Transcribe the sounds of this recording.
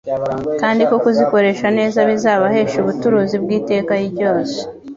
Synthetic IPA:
kaːndiko̞kuziko̞ɾe̞ʃane̞ːzaβizaːβahe̞ːʃuβutuɾuzibɡiːte̞ːkajiɟoːse̥

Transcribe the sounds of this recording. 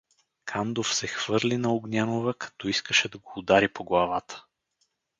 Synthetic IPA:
kʰand̪ofsɛxv̥ɤɾlinɐoɡnʲanovəkʰɐ̥t̪ɔiskəʃɛd̪ɐɡoːd̪aɾipoɡlˠɐvat̪ʰə̥

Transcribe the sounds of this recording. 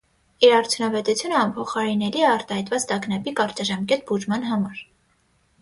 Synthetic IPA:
iɾɑɾt͡sʰjunɑvɛt̪ut͡sʰjunəɑmpʰɔχɑɾinɛɾiɛɑɾt̪ɑhɑjt̪vɑt͡st̪ɑɡnɑpikɑɾt͡ʃɑʒɑmkɛt̪̚buʒmɑnɦɑmɑɾ

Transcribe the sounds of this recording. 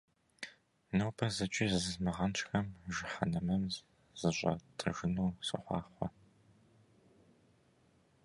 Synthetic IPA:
nɐwpʰɐzɨt͡ʃʼiːzɨzɨzmɨʁɐnt͡ʃʼxɐmʒɪħɐnɐmɐmz | z̥ɨʑʷʼɐ̰tʰʼɨ̰ʒɪnuːsɨ̰χʷɑ̰ːχʷɔ

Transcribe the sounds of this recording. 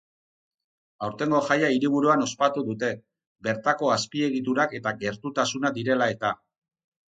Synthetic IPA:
awɾt̪e̞ŋɡo̞ʝajaiɾiβ̞uɾuano̞spat̪uðut̪e̞ | be̞ɾt̪ako̞aspie̞ɣit̪uɾake̞t̪aɡe̞ɾt̪ut̪asunad̪iɾe̞lae̞t̪a

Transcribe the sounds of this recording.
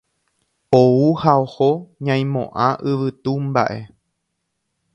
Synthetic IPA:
ouhaohoɲãj̃mõ̰ʔãʔɨʋɨt̪umba̰ʔe̞

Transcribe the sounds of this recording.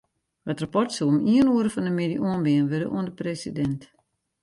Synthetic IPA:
ʋɔtrapɔrtsuomiənuəɾəfɔndəmediʔuənbɪənʋøɾə̰ʔṵəndəpresidɛnt

